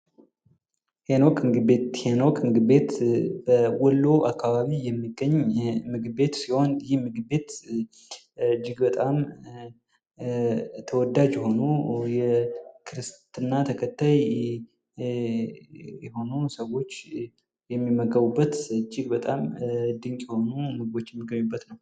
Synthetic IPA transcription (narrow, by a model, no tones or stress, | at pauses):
henokmɨɡɨbet̪henokʰmɨɡɨbe̞t̪b̥əwɔlːoʔakʰːaβaβijɛmːiɡːəɲmɨɡɨbe̞t̪siho̞njɪhmɨɡɨbe̞t̪ | ɨd͡ʒːɪɡbət̪ʼam | t̪ʰəwɔd̪ad͡ʒjɛho̞nujɛkʰɨɾɨst̪ʰɨnːat̪ʰəkʰət̪ːaj | jɛho̞nusəwo̞t͡ʃː | jɛmːimːəɡəβubːət̪ɨd͡ʒːɪɡbət̪ʼamd̪ɨŋkʼjɛho̞numɨɡɨbo̞t͡ʃːjɛmːiɡːəɲːubːət̪nəw